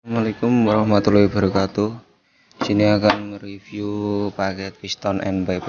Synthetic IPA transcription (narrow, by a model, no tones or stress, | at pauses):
amalekʊmrahmat̪uluib̥a̤ɾukat̪u | siniakanməɾifjupakɛt̪̚pist̪ɔnʔɛ̰nbap